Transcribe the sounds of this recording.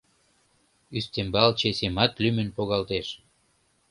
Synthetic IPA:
yst̪embɑlt͡ɕesemɑt̪lymənpoɣɑlt̪eʃ

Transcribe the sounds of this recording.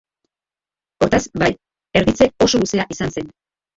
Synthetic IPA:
o̞ɾt̪asbaj | e̞ɾðit͡se̞o̞so̞luse̞aʔisanse̞n

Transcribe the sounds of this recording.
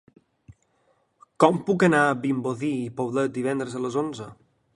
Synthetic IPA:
kɔmpukənaəbimboðiːpoβlət̪̚d̪iβ̞ɛnd̪ɾəzələzonzə

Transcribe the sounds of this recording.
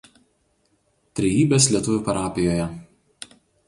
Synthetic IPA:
t̪ʲɾʲɛjiːbʲeːslʲiɛt̪ʊʋʲʊːˑpɐɾɑːpʲɪjoːjɛ

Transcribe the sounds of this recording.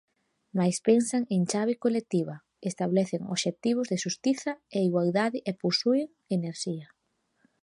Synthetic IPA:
majspensaŋeŋt͡ʃaβɪkolek̚t̪iβɐ | est̪aβlɛθɪŋo̰ʃet̪iβ̞ʊzðɪʃust̪iθɐeiɣwalðaðɪʔeposuɪŋ | eneɾʃiɐ

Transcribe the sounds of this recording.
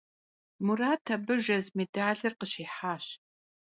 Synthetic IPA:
muraːtʰɐbɨʒɐzmedaːɮɨrqəɕiːħaːɕ

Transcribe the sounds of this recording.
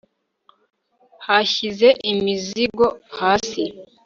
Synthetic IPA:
haçize̞ʔimiziɡo̞haːsi

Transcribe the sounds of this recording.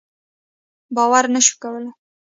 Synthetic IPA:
bɑwaɾnəʃu̥kawəla

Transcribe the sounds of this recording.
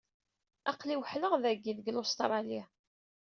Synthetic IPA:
ɑqliwəħləʁðæɡːiðɡlost̪ɾˤɑlia

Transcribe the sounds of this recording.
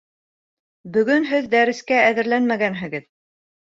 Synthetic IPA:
bɵ̆ɡɵnɦɘðd̪æɾɘ̆skæːðɘ̆ɾlænmæɡænɦɘ̆ɡɘð

